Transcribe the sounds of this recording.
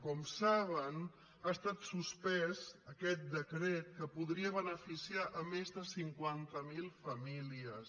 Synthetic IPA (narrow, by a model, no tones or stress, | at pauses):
kɔmsaβən | aəst̪at̪suspɛzəkɛt̪̚d̪əkɾet̪̚kəpuðɾiəβənəfisiaʔəmezðəsiŋkwant̪əmilˠfəmiliəs